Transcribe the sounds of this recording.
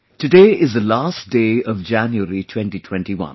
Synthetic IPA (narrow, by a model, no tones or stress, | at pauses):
ʈɨɖeːɪzd̪əlaːst̚ɖ̥eːʌʋd͡ʒæ̃njuəɾitʰwɛ̃nʈiʈʰwɛ̃nʈiwʌ̰̃n